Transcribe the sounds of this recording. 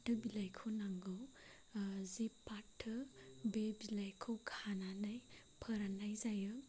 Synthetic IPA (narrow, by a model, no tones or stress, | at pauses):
tɯbilajkʰɯwnaŋɡɯw | zipatʰːɯbebilajkʰɯwkʰananaj | pʰəɾanajzajɯ